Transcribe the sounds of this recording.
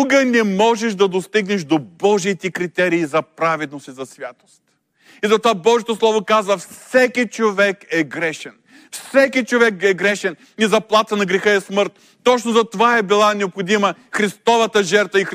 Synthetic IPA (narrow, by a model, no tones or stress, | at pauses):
uɡənɛmɔʒɛʃd̪ɐd̪ost̪iɡnɛʃd̪obɔʒit̪ɛkɾit̪ɛɾiːzɐpɾavɛd̪nosizɐsvʲjat̪o̥st̪ | izɐt̪ovabɔʒijɛt̪oslˠɔvokazvɐfsɛkit͡ʃovɛkɛɡɾɛʃɛn | fsɛkit͡ʃovɛkɛɡɾɛʃɛn | izɐplˠat̪ənɐɡɾɛxəɛsmɤɾt̪ːɔt͡ʃnʊzɐt̪ovaɛbilˠanɛopxod̪iməxɾist̪ɔvɐt̪əʒɛɾt̪vəix